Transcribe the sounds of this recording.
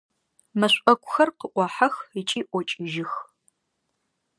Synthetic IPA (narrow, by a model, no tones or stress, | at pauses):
mɐɕʷʼɐkʷʰʼʊxɐrqəʔʷɑːħɐxit͡ʃʼiːʔʷɔt͡ʃʼɪʒɪx